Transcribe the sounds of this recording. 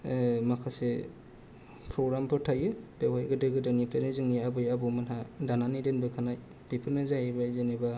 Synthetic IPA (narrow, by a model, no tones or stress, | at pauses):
makʰase | pʰɾoɡɾampʰɯɾtʰajɯbewajɡɯdɯɡɯdɯnipʰɾanizɯŋniabɯjabumanɦadananidenbɯkʰanaj | b̥ipʰɯɾnazajajbazeniba